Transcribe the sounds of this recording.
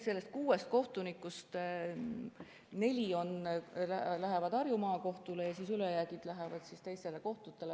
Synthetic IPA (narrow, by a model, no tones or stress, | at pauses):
se̞lːe̞st̪̚kuːe̞st̪̚ko̞ht̪unikːˑust̪ | ne̞lʲio̞nlælæɦe̞vɑd̪̥ɑrjumɑːko̞ht̪ule̞jɑsisylejæɡ̥id̪̥læɦevɑd̪̥sist̪e̞jst̪e̞le̞ko̞ht̪ut̪ːˑe̞le